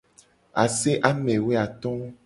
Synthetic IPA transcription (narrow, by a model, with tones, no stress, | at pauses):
a˨se˦ʔa˦mẽ˨we˦a˨t̪ɔ̃˦